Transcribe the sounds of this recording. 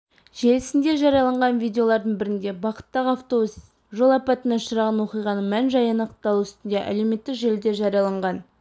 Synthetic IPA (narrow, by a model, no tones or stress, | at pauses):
ʒe̞lɪsɪnd̪e̞ʒɑɾijɑlˠɑɴʁɑnvʲijd̪ʲe̞o̞lˠɑɾd̪əɴbɪɾɪnd̪e̞bɑqə̥t̪ːɑʁɑft̪obus | ʒo̞lˠɑpɑt̪ənɑʃəɾɑʁɑnwo̞qijʁɑnəmænʒɑjɑnɑqt̪ːɑlˠuʏst̪ɪnd̪e̞ʔæ̰le̞wme̞t̪ːɪkʒe̞ld̪e̞ʒɑɾijɑlˠɑɴʁɑn